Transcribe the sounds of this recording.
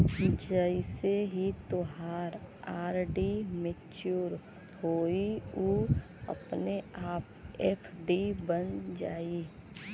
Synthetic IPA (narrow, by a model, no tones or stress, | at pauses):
d͡ʒəɪseɦit̪oɦaːɾaːɾɖimet͡ʃuːɾ | hoːiuː | ə̰pneaːp̚ɛːpʰɖibənd͡ʒaːi